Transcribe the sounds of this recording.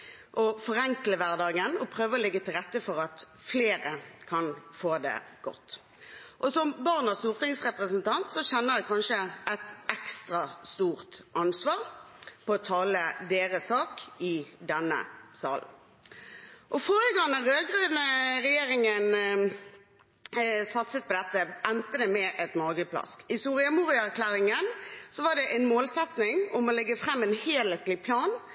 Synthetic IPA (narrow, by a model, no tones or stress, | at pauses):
ʔɔfɔʁɛŋkləʋæʁd̪ɑːɡənɔpʰʁøːʋəɔlɪɡːət̪ʰɪlʁɛt̪ːəfɔʁɑt̪ | fleːʁəkʰɑnfoːd̪ɛ̰ɡ̥ɔ̰t̪ː | ʔɔsɔmbɑʁnɑsuːʁt̪ɪŋsʁɛpʁəsnt̪ɑnt̪sɔɕɛnːəʁʋækʰɑnʂəɛt̪ɛkst̪ʁɑst̪uːʁt̪ʔɑnsʋɑːʁpɔɔt̪ʰɑːləd̪eːʁəsɑːkɪd̪ɛnːə̰sɑ̰ːln̩ | ʔɔfoːɾəɡɑŋnəʁøːɡʁøːd̪əʁɛjeːʁɪŋən | sɑt̪sət̪̚pɔd̪ɛt̪ːəʔɛnt̪əd̪ɛmɛʔɛt̪mɑːɡəpʰlɑ̰skɪsuːʁɪɑmuːʁɪæʁkʰlæːʁɪŋənsɔʋɑːʁd̪ɛʔɛɪnmoːlsɛt̪nɪŋʊmɔlɛɡːəfʁɛmːɛnheːlet̪lɪpʰlɑːn